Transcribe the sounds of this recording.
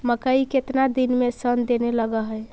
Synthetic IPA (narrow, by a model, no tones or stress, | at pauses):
məkəiket̪nad̪inmesənd̪eneləɡəɦəj